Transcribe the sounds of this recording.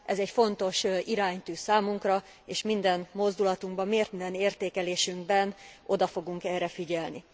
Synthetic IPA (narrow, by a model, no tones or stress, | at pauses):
ʔɛzɛcfo̞nt̪o̞ʃiɾaːɲt̪yːsaːmuŋkrɒ | eːʃmind̪ɛnmo̞zd̪ulɒt̪uŋɡbɒmːeːrt̪mind̪ɛneːrt̪eːkɛleːʃyŋɡbɛnʔo̞d̪ɒfo̞ɡuŋkɛrːɛfiɟɛlni